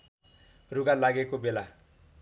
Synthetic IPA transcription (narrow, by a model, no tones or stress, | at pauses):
ruɡalaɡekobela